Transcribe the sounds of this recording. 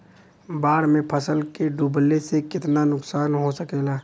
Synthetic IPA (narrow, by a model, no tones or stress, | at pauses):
baːɽmẽpʰəsəlkeɖublesekɪt̪nanʊksaːnɦosəkeːlaː